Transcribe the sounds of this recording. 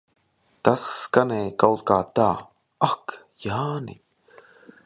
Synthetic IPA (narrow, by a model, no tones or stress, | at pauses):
t̪askanekawlkat̪aː | ak | jaːnḭ